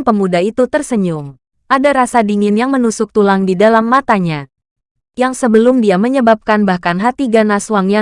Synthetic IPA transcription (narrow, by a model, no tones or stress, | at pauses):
pəmudait̪ut̪ərsəɲʊŋ | ʔadaɾasadiŋɪnjaŋmənusʊk̚t̪ulaŋdidalamːat̪aɲa | jaŋsəbəlʊmdiaməɲəbap̚kanbahkanɦat̪iɡanasuaŋja